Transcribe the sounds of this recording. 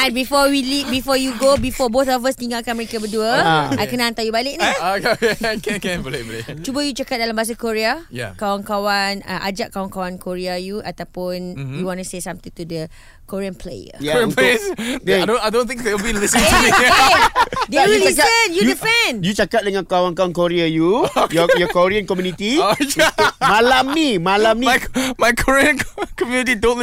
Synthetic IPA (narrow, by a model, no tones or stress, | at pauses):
ãnbifɔwilifbifɔjuɡobifɔbot̪ɔfast̪ĩŋɡakanməɾikəbəduəajkənaãnt̪ajubalɪʔ̚nakaɛ̃kkɛ̃npleblet͡ʃubəjut͡ʃakat̪̚dalambas̬akoɹiajakawaŋkawana̰ʔad͡ʒaʔkawaŋkawankoɹiajuʔat̪awpʊnjuwɔ̃nusesãmt̪ĩŋt̪udə | kɔɹiə̃npʰlḛjə̰japesdɛ̃adõnajdõnt̪ĩŋ̚dɛəbidisĩ | dajit͡ʃakaənjuuifɛ̃njut͡ʃakat̪̚dəŋãnkawankawankoɾiajujɔjɔkoɾiənkɔmjũnit̪i | mãlamnimãlamnimajkʰɔɹiə̃nkkɔmjũnit̪̬itotl